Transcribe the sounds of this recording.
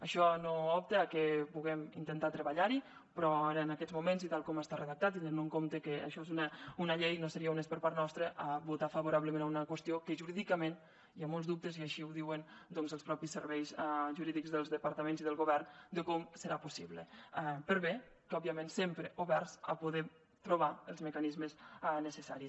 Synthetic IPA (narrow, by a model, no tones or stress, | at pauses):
əʃɔnoɔp̚t̪əakepuɣɛmint̪ənt̪at̪ɾəβəʎaɾi | pɾɔaɾəːnakɛt̪zmumẽnzit̪alˠkɔməst̪arəðək̚t̪at̪ːind̪ɾenuŋkomt̪əkəə̰ʃɔezunəunəʎejnosəɾiəunespəɾpaɾt̪nɔst̪ɾəʔaβut̪afaβuɾaβləmẽnaunəkwəst̪iokəʒuɾiðikəmẽn | iamolˠzðup̚t̪əziaʃiuwðiwənd̪ɔnzəlˠspɾɔpisːəɾβɛjzʒuɾiðikzðəlˠzðəpaɾt̪əmenziðəlˠɣuβɛrnd̪əkɔmsəɾapusiβləpəɾβe | kɔbiəmẽnsempɾəʔuβɛrzə̰puðe | t̪ɾuβ̞aəlˠzməkanizməsɛnəsəsaɾis